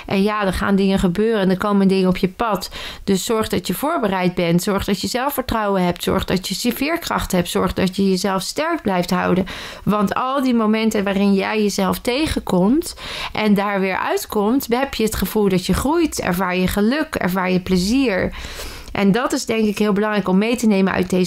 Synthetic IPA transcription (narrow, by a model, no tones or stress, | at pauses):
ʔɛnjaːdəχa̰ːndɪŋəχəbøːrəndəkowməndɪŋənɔpʰjəpɑtd̥ɵsːɔɹχdɑtjəv̥ʊːɹbərɛjd̚bɛntsɔɹχdɑtjəzɛlˠfəɹtrɑwənɦɛp̚tsɔ̰ɹχdɑtjəsfɪːɹkrɑχtəɦɛptsɔɹχdɑtjəjəzɛlˠfstɛɹk̚blɛjftɦɑ̰wdən | ʋɑntɑlˠdimomɛntənʋaːrɪnjɛjjəzɛlˠftejχəkɔmtʔɛndaːɹʋɪːɹʔœ̰ɥtkɔmtɦɛpjəɦətχəv̥ulˠdɑtjəχrujtɛ̰ɹvaːɹjəχəlɵkɛ̰ɹvaːɹjəpləziːɹ | ʔɛ̰ndɑtɪzdɛŋkɪkɦɪːlˠbəlɑŋrɛjkɔmːejtənejmənœ̰ɥt̚de